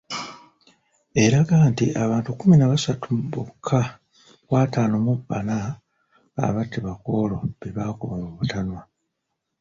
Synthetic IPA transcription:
e̞ɾaɡaːntiʔaβaːntukːuminaβasatuβukʰːa | kwaːtaːnomuba̰na̰ː | βatːiβako̞ːlo̞βeβaːkuβamuβutanwa

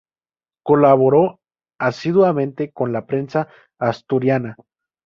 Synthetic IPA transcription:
ko̞laβo̞ɾo̞ | asiðwamẽ̞nt̪e̞ko̞nlapɾe̞nsaː | st̪uɾjana

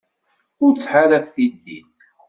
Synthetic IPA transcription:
ʊɾt͡sːħaɾækθid̪ːiθ

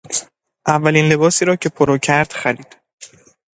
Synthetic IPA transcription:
ʔævːæliːnle̞bɒːsiːɾɒːcʰe̞pʰoɾɒːcʰæɾd̪̥xæɾiːd̪̥

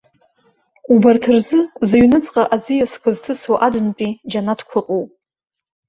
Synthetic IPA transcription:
ubartʰɨrzɨzaɥnɨt͡sʼqʼaʔad͡zɨjaskʷʰaztʰɨswaʔadɨnpʼid͡ʒanatʰkʷʰʊqʼowpʼ

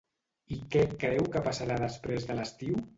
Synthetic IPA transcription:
ikɛkɾɛwkəpasaɾaðəspɾezðələst̪iw

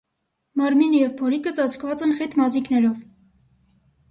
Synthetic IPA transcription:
mɑɾminəjɛvpʰɔɾikət͡sɑt͡sʰkʰvɑt͡sɛnχɛt̪mɑziknɛɾɔv

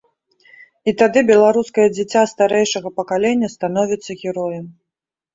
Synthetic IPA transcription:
it̪ad̪ɨbʲɛlˠaɾuskɐjɐd͡zʲit͡sʲːast̪aɾɛjʂɐɣɐpɐkalʲenʲːɐst̪anɔvʲit̪sːɐɣʲɛɾɔjɐm

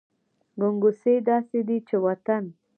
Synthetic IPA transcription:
ɡʊŋɡʊsed̪ɑsed̪it͡ʃewat̪an

